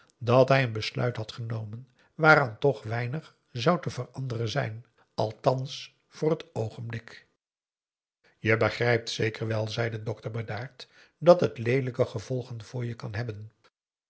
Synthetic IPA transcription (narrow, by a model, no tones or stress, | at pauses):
dɑtɦɛjənbəslœ̰ɥtɦɑtχənowmən | ʋaːɾɑntɔχʋɛjnəχ | zɑwtəv̥ərɑndərənzɛjn | ɑlˠtɑns | fʊːɹɦətowχənblɪk | jəbəχrɛjp̚tsejkərʋɛlˠzɛjdədɔktəbədaːɹt | dɑtɦətlejdələkəχəvɔlˠχənv̥ʊːɹjəkɑnɦɛbən